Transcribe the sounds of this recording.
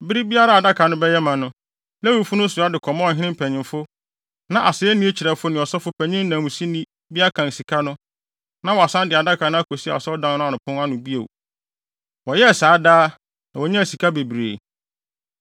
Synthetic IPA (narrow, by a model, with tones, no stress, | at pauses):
bɪ˦ɾi˦bi˦a˦ɾa˨a˨da˦kʰa˨nʊ̃˦bɛ˦jɛ˦mã˨nʊ̃˦ | læ˦wu˨fʊ˦nʊ̃˦sʊ˨a˦dɪ˨kʰɔ˨mã˦ɔ˨ɦɪ̃˦nɪ̃˦m˦pʰæ˨ɲɪ̃˨mfʊ˦ | nã˨ʔa˨sɪ˨ɛ˦nĩ˦e˦t͡ɕʰi˨ɾɛ˨fʊ˦nɪ̃˨ɔ˨sɔ˦fʊ˦pʰæ̃˨ɲɪ̃˦n˦nã˨mũ˨si˦nĩ˦ | bi˦a˦kʰã˨n˨si˨kʰa˦nʊ̃˦ | nã˦wɔ˨a˨sã˦ndɪ˨a˨da˦kʰa˨nʊ̃˦a˦kʰo˨si˦a̰˨ɔ˨sɛ˦ɔ˦dã˨n˦nʊ̃˦a˨nʊ̃˨pʰʊ̃˦n˦a˦nʊ̃˨bi˦o̰˨ | wɔ˨jɛ˦˨saː˨˦daː˦ | nã˨wɔ˨ɲã˦˨si˨kʰa˦be˨bɾḛː˨